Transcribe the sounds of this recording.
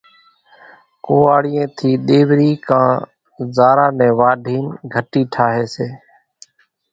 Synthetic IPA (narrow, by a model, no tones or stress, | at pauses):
koːaːɽiːẽːt̪ʰiːɗeːʋɾiːkãː | zaːɾaːnɛ̃ːʋaːɖʱiːnɡʱəʈiːʈʰaːɦeːseː